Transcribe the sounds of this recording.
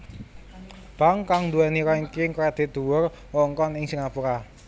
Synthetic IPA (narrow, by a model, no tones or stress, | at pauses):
b̥a̤ŋkaŋnd̪uwɛniɾɔiŋkɪŋkɔad̪̥i̤d̪̥ṳwʊr | wɔŋkɔnɪŋsəŋapuɾa